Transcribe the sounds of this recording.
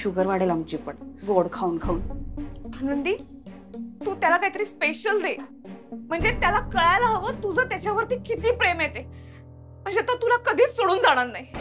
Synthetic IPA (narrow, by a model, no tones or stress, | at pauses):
ɕuɡəɾʋaɽelamt͡ɕipəɳɡoɽkʰauːnkʰauːn | anənd̪iː | t̪ũːt̪jalakajt̪əɾiːspeɕəld̪e | m̤əɳd͡zet̪jalakəɭajlaɦəʋət̪ud͡zʱəːt̪jat͡ɕjaʋəɾt̪iːkit̪iːpɾemjet̪e | m̤əɳd͡zet̪ot̪ulakəd̪ʱiːsoɽuːnd͡zaɽ̃at̪naj